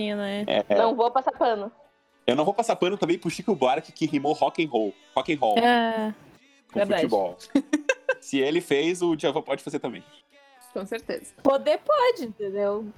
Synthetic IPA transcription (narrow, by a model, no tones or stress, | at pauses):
ĩnɛɛ̰nɐ̃w̃vopasapɐ̃nʊ | ewñvopasapɐ̃nʊt̪ɐ̃bẽj̃pʊʃikʊbaɾkɪ̥kɪɦimohɔkẽj̃ɦow | hɔkẽj̃ɦɔwa | kõveɾ̃ɾfud̪at͡ʃibɔw | sɪelɪfejzʊd͡ʒiavõpɔd͡ʒɪfazeɾt̪ɐ̃mbḛ̃j̃ | kõseɾt̪ḛzɐpod̪epɔd͡ʒɪĩnt̪ẽnd̪ew